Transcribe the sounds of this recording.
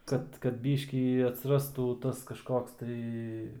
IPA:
ˈkɐt kɐt ˈbʲiːʃʲkʲiː ɐtʲsʲɪˈrɑːstuː ˈtɐs kɐʃˈkoːks tɐɪ

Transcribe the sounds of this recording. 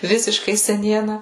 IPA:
ˈʋʲɪsʲɪʃkɐɪ sʲɛˈnʲiɛnɐ

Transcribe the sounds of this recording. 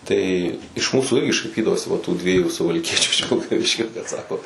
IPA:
ˈtɐɪ ɪʃ ˈmuːsuː ˈɪrʲɡʲɪ ʃɐɪˈpʲiːdɐʋoːsʲɪ ʋɐ tuː ˈdʲʋʲiɛjuː sʊʋɐlʲˈkʲiɛt͡ʃʲʊ ɪʃ ʋʲɪlˠkɐˈʋʲɪʃʲkʲoː bʲɛt ˈsɑːkoː

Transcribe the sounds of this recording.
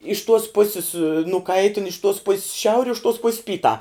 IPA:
ɪʃ tuɔs ˈpʊsʲɪs nʊˈkɐɪtʲɪn ɪʃ tuɔs pʊsʲs ˈʃʲɛʊrʲɪ ɪʃ tuɔs pʊsʲ ˈpʲiːtɑː

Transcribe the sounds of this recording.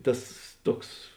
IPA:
ˈtɐs ˈtuɔks

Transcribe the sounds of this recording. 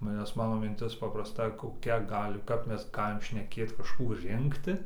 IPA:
nʲɛs ˈmɑːnoː mʲɪnʲˈtʲɪs pɐprɐsˈtɐ koːˈkʲɛ ˈɡɑːlʲɪ kɐp ˈmʲɛs ˈɡɑːlʲɪm ʃʲnʲɛˈkʲeːt kɐʃˈkuː ˈrʲɪŋktʲɪ

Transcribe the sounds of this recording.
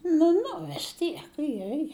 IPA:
nʊ ˈnʊ ʋʲɪs ˈtʲiɛk ˈjɛ jɛ

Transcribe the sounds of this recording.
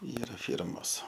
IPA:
ˈiːrɐ ˈfʲiːrmoːs

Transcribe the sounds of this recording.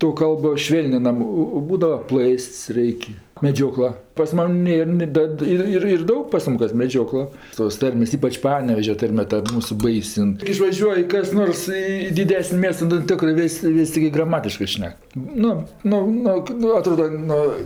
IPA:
toː ˈkɐlˠboː ˈʃʲʋʲeːlʲnʲɪnɐm ˈoː oː ˈbuːdɐʋɐ ˈplˠɜsʲtʲsʲ ˈrɐɪkʲ mʲɛˈd͡ʒʲoːklˠɐ pɐs ˈmɐnʲ ˈnʲeːr nʲɪ ˈdɐt ˈɪr ˈɪr ɪr ˈdɐʊk pɐs ˈmʊm kɐs mʲɛˈd͡ʒʲoːklˠɐ toːs ˈtɐrʲmʲeːs ˈiːpɐt͡ʃ ˈpɑːnʲɛʋʲɛʒʲɛ ˈtɐrʲmʲɛ tɐ ˈmuːsʊ ˈbɐɪsʲ ɪn ˈtʲɪk ɪʃʋɐˈʒʲuɔj kɐs ˈnoːrs ˈiː ɪ dʲɪˈdʲæːsʲnʲɪ ˈmʲiɛstɐ nʊ ˈtʲɪkrɜ ˈʋʲeːsʲ ˈʋʲɪsʲ tʲɪˈɡʲɪ ɡrɐˈmɑːtʲɪʃkɜ ˈʃʲnʲɛk ˈnʊ ˈnʊ ˈnʊ ˈnʊ ɐˈtroːdɐ ˈnʊ

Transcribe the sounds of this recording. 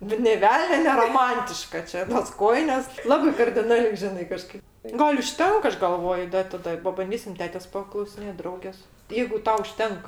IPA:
bʲɛt nʲeː ˈʋʲɛlʲnʲoː nʲɛroːˈmɐnʲtʲɪʃkɐ ˈt͡ʃʲɛ toːs ˈkoːjɪnʲeːs ˈlˠɑːbɐɪ kɐrʲdʲɪˈnɑːlʲɛɪ ˈʒʲɪnɐɪ kɐˈʃkɐɪp ˈɡɐlʲ ʊʃʲˈtʲɛŋk ˈɐʃ ɡɐlˠˈʋoːjʊ ˈdɐ ɪ tɐˈdɐ pɐbɐnʲˈdʲiːsʲɪm ˈtʲæːtʲeːs pɐklˠɐʊsʲɪˈnʲeːtʲ ˈdrɐʊɡʲeːs jɛɪɡʊ ˈtɐʊ ʊʃʲˈtʲɛŋk

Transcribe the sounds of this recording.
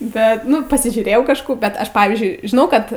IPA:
ˈbʲɛt ˈnʊ pɐsʲɪʒʲuːˈrʲeːjɛʊ kɐʃˈkuː bʲɛt ˈɐʃ ˈpɑːʋʲiːzʲd͡ʒʲʊɪ ʒʲɪˈnɐʊ kɐt

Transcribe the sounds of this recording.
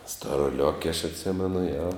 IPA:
stoːroːˈlʲoːkʲ ɐʃ ɐtʲˈsʲɪmʲɛnʊ joː

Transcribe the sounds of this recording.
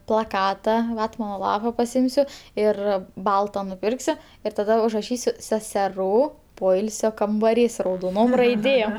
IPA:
plˠɐˈkɑːtɐ ˈʋɑːtmɐnoː ˈlˠɑːpɐ pɐˈsʲɪmʲsʲʊ ˈɪr ˈbɐlˠtɐ nʊˈpʲɪrksʲʊ ɪr tɐˈdɐ ʊʒrɐˈʃʲiːsʲʊ sʲɛsʲɛˈruː ˈpoːɪlʲsʲoː kɐmbɐˈrʲiːs rɐʊdoːˈnoːm rɐɪˈdʲeːm

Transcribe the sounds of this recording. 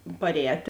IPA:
pɐrʲˈɛːtʲ

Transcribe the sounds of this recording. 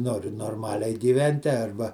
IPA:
ˈnoːrʲɪ noːrˈmɑːlʲɛɪ ɡʲiːˈʋʲɛnʲtʲɪ ˈɐrbɐ

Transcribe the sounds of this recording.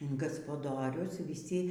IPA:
ɪn ɡɐspɐˈdoːrʲʊs ʋʲiːˈsʲɪ

